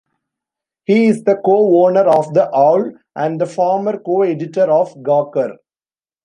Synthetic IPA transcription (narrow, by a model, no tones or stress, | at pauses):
hiːɪsd̪əkoːoːnəɾɔːʋd̪əʔaʊl | ʔæ̃ɳɖd̪əfɔːɾməɾkoːeɖɪʈəɾɔːfɡaːkəɾ